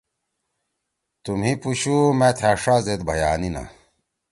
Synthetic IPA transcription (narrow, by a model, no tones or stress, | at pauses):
t̪umɦipuɕumet̪ʰaʂazet̪bʱɐjaːnina̰